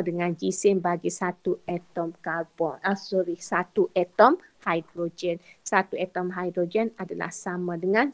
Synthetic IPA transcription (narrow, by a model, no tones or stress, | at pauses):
dəŋãnd͡ʒisɪnbaɡisat̪uʔɛt̪ɔmkalbɔnasɔɾisat̪uʔɛt̪ɔmhajdɾod͡ʒɛnsat̪uɛt̪ɔmɦajdɾod͡ʒɛnadala̰hsamãdəŋãn